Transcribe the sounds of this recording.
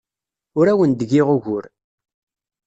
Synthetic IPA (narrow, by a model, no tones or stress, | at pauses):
ʊɾæwənd̪əɡɪʁʊʝʊɾ